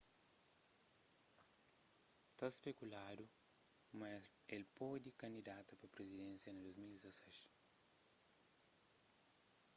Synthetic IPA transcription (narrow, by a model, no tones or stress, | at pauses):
t̪ɐspekulad̪umɐzelpɔd̪ikɐ̃nd̪id̪at̪ɐpɐpɾezid̪ẽnsjɐned̪ozmild̪izɐsɛʃ